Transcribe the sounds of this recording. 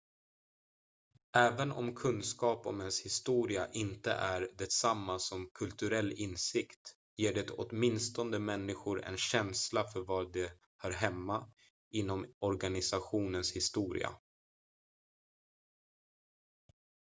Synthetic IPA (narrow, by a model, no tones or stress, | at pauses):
ʔɛːvənɔ̰mkʰɵnːskɑːpɔ̰mɛnshɪst̪uːɾɪaʔɪnt̪ə̰ʔæɾɖ̪ɛsamːasɔmkʰɵlt̪ɵɾɛlːɪnsɪkt̪ | jeːɖɛt̪ɔ̰t̪mɪnst̪ɔnd̪əmɛnːɪɧʊɾɛ̰nɕɛnslafœɾvɑːd̪ɛ | haɾɦɛmːa | ʔɪnːɔmɔɾɡanɪsaɧuːnənshɪst̪uːɾɪ̰a̰